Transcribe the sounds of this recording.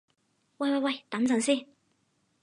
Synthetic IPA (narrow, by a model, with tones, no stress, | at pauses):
wɐ˥˧jwɐ˥˧jwɐ˥˧jt̪ɐ˨˧˥nt͡sɐ˨˧˥ŋsiː˥˩n